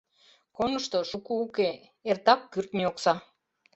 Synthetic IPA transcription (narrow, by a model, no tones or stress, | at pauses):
konəʃt̪o̽ʃukuːke | ert̪ɑkːyrt̪mioksɑ